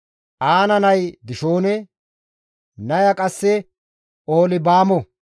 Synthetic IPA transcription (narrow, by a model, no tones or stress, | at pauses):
ʔaːnɐnɐjd̪ɪʃoːnɛ | nɐjɐkʼɐsːɛ | oːlɪbaːmɔ